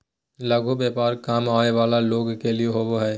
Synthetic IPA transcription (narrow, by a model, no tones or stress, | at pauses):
lɐɡʱubeːpaːɾkaːmaːeʋaːlaloːɡkelieɦoboɦɛː